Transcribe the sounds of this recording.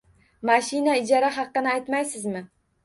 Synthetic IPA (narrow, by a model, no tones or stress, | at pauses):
maʃɪnaɪd͡ʒɒɾaɦɑqːɨnɪajt̪majsɪzmɪ